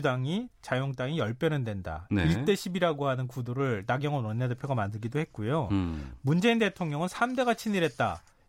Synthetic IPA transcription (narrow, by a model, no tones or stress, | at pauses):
daŋit͡ɕajoŋt͈aŋijʌɭp͈jʌnɯndwe̞nda̰neiɭt͈e̞ɕʰibiɾaɡohanɯnkudoɾɯɭnaɡjʌŋʌnwʌnːede̞pʰjoɡamandɯɭɡidoɦhe̞t̚k͈ujomund͡ʑe̞inde̞tʰoŋɲʌŋɯnsʰamde̞ɡat͡ɕʰiniɾɦe̞t̚t͈a̰